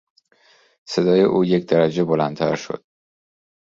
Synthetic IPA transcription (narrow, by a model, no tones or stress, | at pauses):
se̞d̪ɒːjḛʔuːjecʰd̪æɾæd͡ʒe̞bolænt̪ʰæɾʃo̞̰d̪̥̚